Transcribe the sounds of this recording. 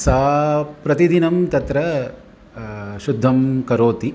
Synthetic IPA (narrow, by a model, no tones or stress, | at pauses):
saːpɾɐt̪id̪inɐmt̪ɐt̪ɾɐ | ʃud̪ʱːɐmkɐɾoːt̪i